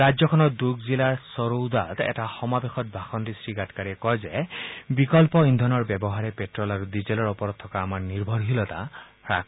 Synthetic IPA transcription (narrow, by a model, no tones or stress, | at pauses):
ɾad͡ʒjɔkʰɔnɔd̪uɡzilaɹsɔɾowd̪at̪ɛ̰taxɔmabexɔt̚bʱaxɔntisɹiɡatkaɹiɛkɔjzebikɔlpɔind̪ʱɔnɔɹbebɔɦaɹɛpetɹɔlaɾud̪izelɔɹɔpɔɾɔt̪ʰːɔkaːmaɹniɹbʱɔɹɦilɔt̪a̰ | ɹa̰k